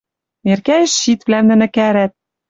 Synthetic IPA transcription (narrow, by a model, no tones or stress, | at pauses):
erkæjɘ̆ʃːit̪vlæmd̪ɘ̆nɘ̆kæɾæt̪̚